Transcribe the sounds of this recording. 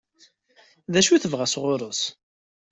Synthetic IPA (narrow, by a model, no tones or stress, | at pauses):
ðæʃuθəvʁæsʁʊɾˤəs